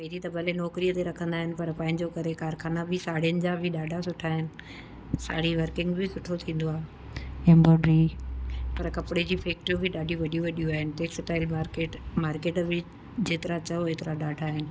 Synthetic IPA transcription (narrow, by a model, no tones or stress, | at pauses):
pɐɪd͡ʑit̪ɐbʱɐlenɔːkɾijət̪eɾɐkʰə̃nd̪aːɦɪnɪ̆pɐɾpãːɦɪ̃ɲd͡ʑokɐɾekaːɾxʰaːnabʱɪsaːɽ̤ijənɪ̆d͡ʑaːbʱɪɗaːɖʱasʊʈʰaːɦɪnɪ̆ | sa̰ːɽ̤iʋɐɾkɪ̃ŋɡbʱɪsʊʈʰot̪ʰĩːn̆d̪oaːɦe | ɛ̃mboːɖɾi | pɐɾkɐpɪɽed͡ʑiːfʰeːk̚ʈobʱɪɗaːɖʱijũʋɐɗijũʋɐɗijũaːɦɪnɪ̆ʈ̪eːksɪʈaːɪlmaːɾkeːʈmaːɾkeːʈbʱɪ | d͡ʑeːt̪ɪɾat͡ɕɐoeːt̪ɪɾaɗaːɖʱaːɦɪnɪ̆